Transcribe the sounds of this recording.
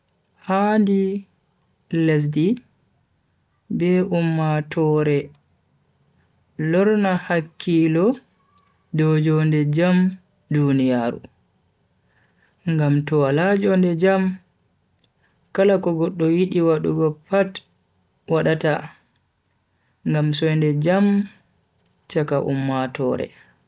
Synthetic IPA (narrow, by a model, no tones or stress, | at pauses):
handi | les̬di | bɛʔumːatʰɔːɾɛ | lɔɾnahakʰːilɔ | dɔd͡ʒɔndɛd͡ʒam | dunijaːɾṵ | ŋɡamtɔwalad͡ʒɔndɛd͡ʒam | kalakɔɡɔɗːɔjiɗiwaɗuɡɔpat | waɗata | ŋɡamsɔjndɛd͡ʒam | t͡ʃakaʔṵmːatɔːɾɛ̰